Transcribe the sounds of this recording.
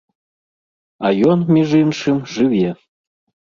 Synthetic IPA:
ɑjonmʲeʒɨnʃɨmʒɨβʲe

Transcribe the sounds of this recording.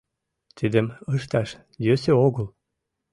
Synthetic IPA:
t̪ʰid̪ə̆məʃt̪ɑʃ | jøsøoɣəl

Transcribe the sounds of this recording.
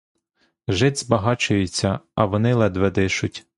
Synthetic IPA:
ʒɪd̪ʲzbɐɦɑt͡ʃʊjʊt͡sʲːɐɐʋɔnɪlˠɛd̪ʋɛd̪ɪʃʊtʲ

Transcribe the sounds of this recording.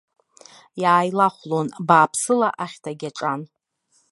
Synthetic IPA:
jaːjlaχʷlonbaːpʰsɨlaʔaχʲtʰaɡʲaʈ͡ʂʼan

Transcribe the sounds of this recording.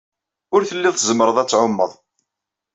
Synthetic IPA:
ʊɾθəlːiðˤθzəmɾəðˤæt͡sːʕʊmːəðˤ

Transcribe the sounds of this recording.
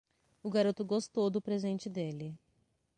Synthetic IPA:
ʊɡaɾot̪ʊɡost̪owd̪ʊpɾezẽnt͡ʃɪd̪elɪ

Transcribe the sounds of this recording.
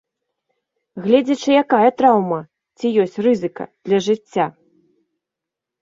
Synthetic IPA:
ɣlʲɛd͡zʲɐt͡ʂɨjakajɐt̪ɾawmɐ | t͡sʲijɔsʲt͡sʲrɨzɨkɐ̰d̪̥lʲɐʐɨt͡sʲːa

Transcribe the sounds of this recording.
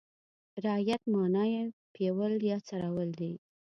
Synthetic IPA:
ɾɪjat̪̚mɑnɑjepewəljɑt͡saɾawəld̪i

